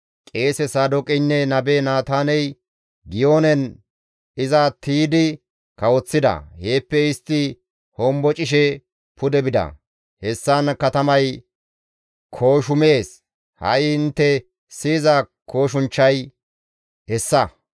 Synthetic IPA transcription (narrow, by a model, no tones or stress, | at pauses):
kʼe̞ːsɛsaːd̪ɔkʼɪnːɛnɐbeːnaːt̪aːnɛj | ɡɪjoːnɛn | ɪzat̪iːd̪ɪ | kɐwɔt͡sːɪd̪ɐ̰he̞ːpːɛɪst̪ːɪ | hɔmbɔt͡ʃʼɪʃ̬ɛ | pʊd̪ɛbɪd̪ɐ̰ | hɛsːankɐt̪ɐmɐj | kʰo̞ːʃʊmeːs | hɐ̰jɪnt̪ːɛ | siːzɐkʰo̞ːʃʊnt͡ʃːɐj | hɛsːɐ